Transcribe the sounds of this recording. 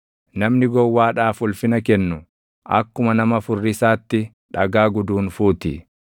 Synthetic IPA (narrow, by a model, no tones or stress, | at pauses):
nɐmnɪɡɔwːaːᶑaːfʊlfɪnɐkɛnːʊ | ʔɐkːʊmɐnɐmɐfʊrːɪsaːt̪ːɪ | ᶑɐɡaːɡʊd̪uːnfuːt̪ɪ